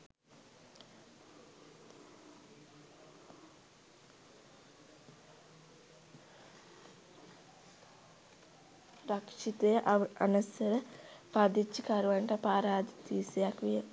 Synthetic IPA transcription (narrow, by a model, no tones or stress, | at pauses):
rɐkʂit̪ejəʔa̰nɐsɐɾəpad̪it͡ʃːəkɐɾuʋaɳʈɐpaːɾaːd̪i̥t̪iːsejakʋijə